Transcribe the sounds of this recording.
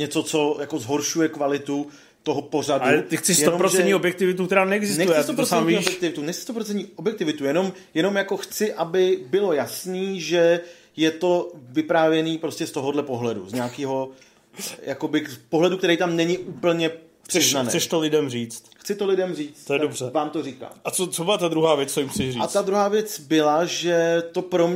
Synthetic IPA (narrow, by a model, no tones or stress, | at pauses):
ɲɛt͡so̞t͡so̞jako̞zɦo̞ɾʃujɛkvalɪt̪u | t̪o̞ɦopo̞r̝adaɛt̪ɪxt͡sɪsjɛt̪onompɾoʒɛnɲĩobjɛk̚t̪ɪvɪt̪̬uk̚t̪ɛɾaːnɛɛɡzɪsnɛjɛt͡sɪst̪otpɾoɛɲvɲːiːbjɛɛkt̪ɪvɪt̪unɛxt͡sɪ̥st̪opɾot͡sɛntɲiːʔobjɛkt̪ɪvɪt̪ujɛno̞m | jɛno̞mjako̞xt͡sɪʔabɪbɪlo̞jasniːʒɛ | jɛt̪o̞vɪpɾaːvjɛniːpɾoscɛst̪o̞ɦodlɛpo̞ɦlɛdṵzɲaːkiːɦo̞ | jʔako̞bɪpoɦlɛdukt̪ɛɾɛjt̪amnɛɲɪʔuːpl̩ɲɛ | pr̥ɪznanɛ̰ːsɛʃt̪olɪdɛmriːt͡st̪xt͡sɪt̪olɪdɛmriːt͡st̪ojɛdobrɛvaːmt̪o̞riːka̰ːʔat͡sot͡sobɪlat̪ad̪ɾuɦaːvjɛt͡st͡sojɪmxt͡sɪʃriat̪ad̪ɾuɦaːvjɛt͡sbɪlaʒɛt̪o̞pɾo̞m